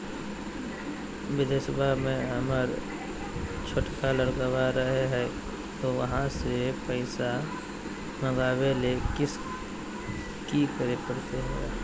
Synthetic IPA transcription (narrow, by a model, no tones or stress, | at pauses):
ʋɪd̪esəbʱamẽɦəməɾ | t͡ʃʰoːʈkaləɾɡəʋaɾəɦeɦɛː | t̪oʋɐɦãsepəɪsa | məɡaːwelekɪs | kikəɾepəɽt̪eɦɛ̰